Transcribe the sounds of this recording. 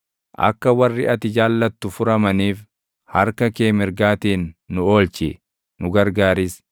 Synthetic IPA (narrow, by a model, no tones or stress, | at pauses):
ʔɐ̰kːɐwɐrːɪʔɐt̪ɪd͡ʒaːlːɐt̪ːʊfʊɾɐmɐniːf | hɐɾkɐkeːmɪɾɡaːt̪iːnːʊo̞ːlt͡ʃɪ | nʊɡɐɾɡaːɾɪs